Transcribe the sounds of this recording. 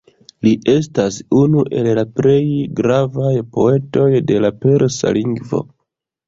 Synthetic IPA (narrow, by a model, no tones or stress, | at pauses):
liʔe̞s̬tasunuʔe̞llaple̞jɡɾavajpo̞e̞to̞jde̞lape̞ɾsa̰liŋɡvo̞̰